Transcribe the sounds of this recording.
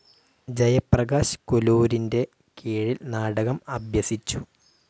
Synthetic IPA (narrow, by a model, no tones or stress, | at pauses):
d͡ʑɐjɐprɐɣaːɕkoluːɾinde̞ | keːɻilnaːɽɐɣɐmɐbjɐsit͡ɕːu